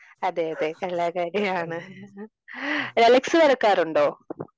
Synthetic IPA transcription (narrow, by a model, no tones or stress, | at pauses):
ɐd̪eːjɐðekɐlaːkaːɾjɐaːɳɨ | ɾɐlɐksɨʋɐɾɐkːaːɾuɳɖoː